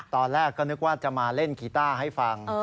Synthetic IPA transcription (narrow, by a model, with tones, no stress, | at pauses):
t̪ɔː˧nlɛː˥˩kːɔː˥˩nɯ˦˥k̚waː˥˩t͡ɕa˨˩maː˧le˥˩nkʰiː˧t̪aː˥˩ɦa˥˩jfa˧ŋː˧